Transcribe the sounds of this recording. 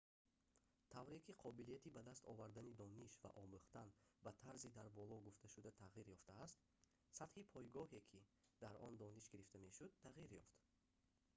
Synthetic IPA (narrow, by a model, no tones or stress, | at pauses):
t̪ʰavɾekiqʰɔbilijat̪ibad̪ast̪ʰɔ̰vaɾd̪anid̪ɔniʃva̰ʔɔmuχt̪anbat̪ʰaɾzid̪aɾbɔlɔɡuft̪aʃud̪at̪ʰaʁiɾjɔft̪aːst̪ | sat̪hipʰɔjɡɔhe̞kʰid̪̥aɾɔnd̪ɔniʃɡiɾift̪ame̞ʃud̪t̪ʰːaʁiɾjɔft̪